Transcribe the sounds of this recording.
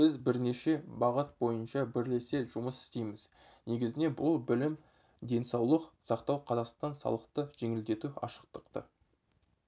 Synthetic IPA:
b̥ɪzbɪɾne̞ʃe̞bɑʁət̪̚bo̞jənʃɑbɪɾle̞se̞ʒʊməsɪ̥st̪e̞jmɪz | ne̞ɡʲɪzɪne̞bʊlˠbɪlɪm | d̪e̞nsɑwlˠəqsɑqt̪ɑwqʰɑzɑqst̪ɑnsɑ̰lˠəqt̪əʒ̥e̞ŋɪld̪e̞t̪uɑ̰ʃə̥qt̪əqt̪ə̰

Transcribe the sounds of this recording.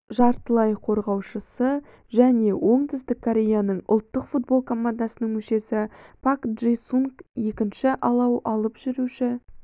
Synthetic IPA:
ʒɑɾt̪əlˠɑjqʰo̞ɾʁɑwʃəsə | ʒæne̞wʔo̞ɴt̪ʰɪzd̪ɪkʰːoɾʲe̞janəɴʊ̰lˠt̪ːəqfut̪̚bo̞lˠkʰo̞mand̪asənəɴŋmɵʃe̞sɪpʰakʒejsuŋkje̞kʲɪnʃɪʔɑlˠɑwʔɑlˠəpʒ̥ʏɾuʃɪ

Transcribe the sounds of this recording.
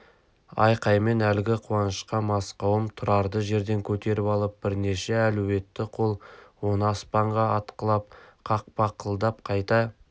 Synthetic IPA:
ɑ̰jqɑjme̞nælɡʲɪqʰuwɑnəʃqɑmɑsqɑwəmt̪ʰʊɾɑɾd̪əʒe̞ɾd̪e̞ŋkʲʰɵt̪e̞ɾɪpɑlˠəp̚b̥ɪɾne̞ʃe̞æluwe̞t̪ːɪqʰo̞lˠwo̞nəɑspɑɴʁɑɑt̪qəlˠɑp̚qʰɑq̚pɑqʰəlˠd̪ɑp̚qʰɑjt̪ɑ

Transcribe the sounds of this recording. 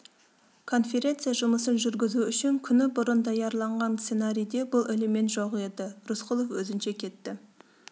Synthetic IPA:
kʰo̞nfe̞ɾʲe̞nt̪sɨjaʒʊməsənʒʏɾɡʲɪzuʏʃɪŋkʲʰʏnɪbʊɾənd̪ɑjɑɾlˠɑɴʁɑnse̞naɾʲijd̪e̞bʊlˠʔɪlɪme̞nt̪ʒoqe̞d̪ɪɾʊsqʰʊlˠofwɵzɪnʃe̞kʲʰe̞t̪ːɪ

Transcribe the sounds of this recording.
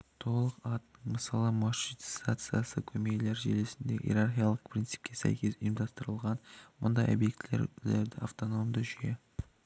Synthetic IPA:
t̪ʰo̞lˠəqɑt̪nəɴməsɑlˠəmɑʃit̪sajt̪sɨjasəkʲʰɵmekle̞ɾʒḛlesɪnd̪e̞ʔḭɾarχijalˠəqpʰɾʲint̪ɨ̥p̚kʲʰe̞sæ̰jkʲʰe̞sʊjəmd̪ɑst̪əɾəlˠʁɑnmʊnd̪ɑjo̰bje̞kt̪lḛɾleɾd̪ɪaft̪o̞no̞md̪ʊʒije

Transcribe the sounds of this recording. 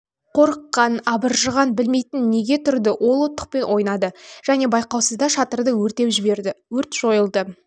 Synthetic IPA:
qʰo̞ɾəqːɑnɑbəɾʒəʁɑnbɪlme̞jt̪ɪnːe̞ɡʲe̞t̪ʰʏɾd̪ɪwʔo̞lˠot̪ːə̥q̚pe̞nʔwʔo̞jnɑd̪əʒ̥æne̞bɑjqɑwsəzd̪ɑʃɑt̪əɾd̪əwɵɾt̪e̞wʒɪbeɾɪwɵɾt̪ʒ̥o̞jəlˠd̪ə

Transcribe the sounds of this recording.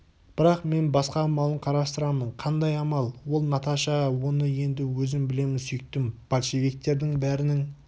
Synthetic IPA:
b̥ɪɾɑqme̞nbɑsqɑːmɑlˠəɴqʰɑɾɑst̪əɾɑməɴqʰɑnd̪ɑjɑmɑlˠwo̞lˠnɑt̪ɑʃɑwo̞nəje̞nd̪ɪwɵzɪmbɪle̞mɪnsʏjɪk̚t̪ɪmb̥ɑlˠʃevʲik̚t̪ːe̞ɾd̪ɪŋbæɾɪnɪŋ

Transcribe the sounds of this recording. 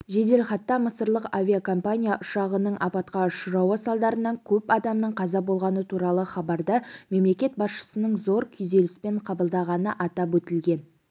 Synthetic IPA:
ʒe̞d̪e̞lχɑt̪ːɑməsəɾlˠəqavʲiakʰo̞mpanʲijaʔʊʃɑʁənəɴʔɑpɑt̪qɑʊʃəɾɑwɑsɑlˠd̪ɑɾənːɑŋkʲʰɵpɑd̪ɑmnəɴqʰɑzɑbo̞lˠʁɑnət̪ʰuɾɑlˠəχɑbɑɾd̪ɑme̞mle̞kʲe̞t̪̚bɑsʃə̥sənəɴzo̞ɾkʲʰʏjze̞lɪspeɴqʰɑbəlˠd̪ɑʁɑnəʔɑt̪ɑpwɵt̪ɪlɡʲe̞n

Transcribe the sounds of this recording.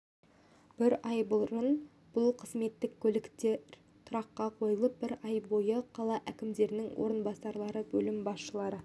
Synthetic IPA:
b̥ɪɾɑjbʊlˠrən | b̥ʊlˠqʰəzme̞t̪ːɪkʲʰːɵlɪkt̪eɾ | t̪ʰʊɾɑqːɑqʰo̞jəlˠəp̚bɪɾɑjbo̞jəqʰɑlˠɑʔækʲɪmd̪e̞ɾɪnɪŋwʔo̞̰ɾənbɑsɑɾlˠɑɾəbɵlɪmbɑsʃəlˠɑɾə

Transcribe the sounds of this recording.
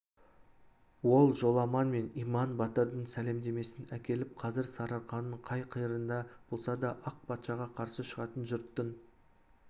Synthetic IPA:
wo̞lˠʒo̞lˠɑmɑnme̞nijmɑnbɑt̪əɾd̪əɴsæle̞md̪e̞me̞sɪnækʲe̞lɪp̚qʰɑzɪɾsɑɾɑɾqɑnəɴqʰɑjqʰəjɾənd̪ɑb̥o̞lˠsɑd̪ɑʔɑq̚pʰɑt̪ʃɑʁɑqʰɑɾsəʃəʁɑt̪ənʒʏɾt̪ːən

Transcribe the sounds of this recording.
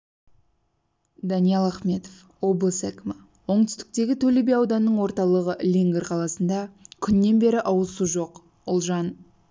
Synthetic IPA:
d̪ɑnijɑlˠɑχme̞t̪of | wo̞blˠəsækʲɪmɪ | wo̞ɴt̪ʏ̥st̪ɪ̥k̚t̪e̞ɡʲɪt̪ʰɵlebejɑwd̪ɑnːəɴwo̞ɾt̪ɑlˠəʁəlʲiŋɡʲrqʰɑlˠɑsənd̪ɑkʲʰʏnːe̞nbe̞ɾɪʔɑwəsuʒo̞q | ʊlˠʒɑn

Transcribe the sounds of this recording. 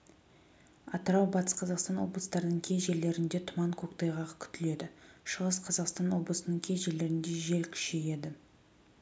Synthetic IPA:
ɑt̪əɾɑwbɑt̪əsqʰɑzɑqst̪ɑnwo̞̰blˠəst̪ɑɾənəɴkʲʰe̞jʒe̞ɾle̞ɾɪnd̪e̞t̪ʰʊmɑɴkʲʰo̞kt̪ɑjʁɑqkʲʰʏ̥t̪ɪle̞d̪ɪʃəʁəsqʰɑzɑqst̪ɑnwo̞blˠəsənəɴkʲʰe̞zʒe̞le̞ɾɪnd̪e̞ʒe̞lkʲʰʏ̥ʃe̞je̞d̪ɪ

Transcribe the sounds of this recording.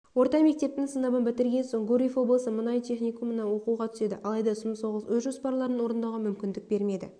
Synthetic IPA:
wo̞ɾt̪ɑme̞k̚t̪e̞p̚t̪ɪŋsənɑbənbɪt̪ɪɾɡʲe̞nso̞ɴɡuɾʲifwo̞blˠəsəmənɑjt̪ʰe̞χnʲijkumnɑwo̞quʁɑt̪ʰʏ̥se̞d̪ɪ̰ʔɑlˠɑjd̪ɑsəmso̞ʁəswɵzʒo̞spɑɾlˠɑɾənwo̞ɾənd̪ɑwʁɑmʏmkʲɪnd̪ɪk̚be̞ɾme̞d̪ɪ̰

